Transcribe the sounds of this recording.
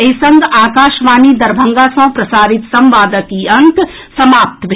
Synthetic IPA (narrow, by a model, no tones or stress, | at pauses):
esɐ̃ŋɡaːkaːʃʋaːnid̪ɐɾbʱɐ̃ŋɡaːsɐ̃ːpɾɐsaːɾɪt̪sɐ̃mʋaːd̪əkiɐ̃nt̪ | sɐmaːp̚t̪bʱ